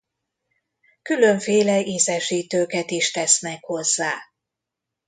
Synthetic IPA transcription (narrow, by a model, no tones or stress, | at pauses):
kyløɱfeːlɛiːzɛʃiːt̪øːkɛt̪iʃt̪ɛsnɛkho̞zːaː